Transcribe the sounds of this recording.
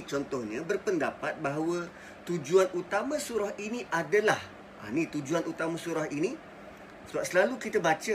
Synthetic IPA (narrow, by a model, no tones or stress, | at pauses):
t͡ʃɔnt̪ɔhɲə̃bərpəndapat̪̚baɦawə | t̪ud͡ʒuanut̪amãsuɾahiniʔadəlah | ʔa̰nit̪ud͡ʒuanut̪amãsuɾaɦini | səbap̚səlalukit̪əbat͡ʃə